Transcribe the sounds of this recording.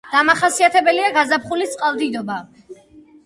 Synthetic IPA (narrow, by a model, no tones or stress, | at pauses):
d̪̥amaχasiat̪ʰɛbɛliaɡazapχulit̪sʼqʼalˠd̪id̪ɔba